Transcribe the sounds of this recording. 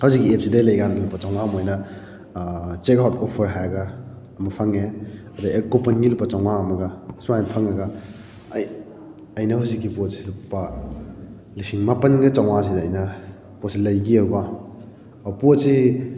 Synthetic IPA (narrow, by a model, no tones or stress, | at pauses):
hɐwzikːiep̚sidelɐjɡanɡilupːɐt͡ʃaw̃ŋamojnɐ | t͡ʃekawtopʰɐɾɦajɐɡɐ | ɐmɐpʰaŋeɐdɐʔekopɐnɡilupːɐt͡ʃaw̃ŋaɐmɐɡɐsuajnpʰaŋɐɡɐ | j | ɐjnɐhawzikːipot̚silupːɐ | lisiŋmapɐnɡɐt͡ʃawŋas̬idɐːjnɐ | pot̚silɐjɡiɐwba | pot̚si